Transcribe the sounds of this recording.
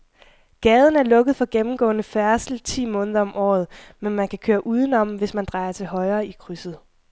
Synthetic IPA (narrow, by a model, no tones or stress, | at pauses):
ɡ̥ɛːð̞ˠn̩æɐlɔ̽ɡ̥əð̞̩ˠfɒ̽ɡ̥emm̩ɡ̥ɔ̰̽ːnəfæɐsl̩t͡sʰḭːmɔ̽ːnəð̞ˠɐɒ̽mʔɒ̰ːð̞̩ˠmenmænkʰækʰøːɐʔuːðˠn̩ɒ̽m̰ʋe̝smænd̥ʁɑ̈ɪɐt͡sʰe̝lɦɒ̽ɪɐːikʰʁysð̩ˠ